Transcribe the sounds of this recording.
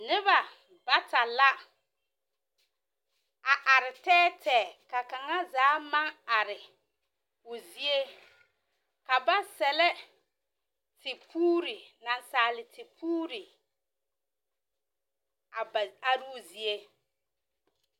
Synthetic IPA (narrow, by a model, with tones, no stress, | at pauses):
nɪ˦βa˨ | ba˦ta˨la˦ | a˨ʔa˨ɾɪ˨tɛː˦tʰɛː˨ka˨ka˨ŋa˦zaː˨˦ma˦ŋa˨ɾɪ˨ | ʊ˨zi˦e˦ | ka˨ba˦sɛ˨lɛ˦ | tɪ˨pʰuː˦ɾɪ˨na˨nsaː˨lɪ˨tɪ˨pʰuː˦ɾi˨ | a˨a˨ɾɪ˦ʊ˦˨zi˨e˦